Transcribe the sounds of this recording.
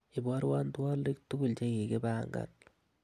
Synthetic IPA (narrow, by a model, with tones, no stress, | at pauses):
i˨bɔ˦ɾwa˦ntwɔ˦le˦k̚tu˦ɡu˦lt͡ʃe˦ke˨ke˦ba˦ŋɡa̰˨l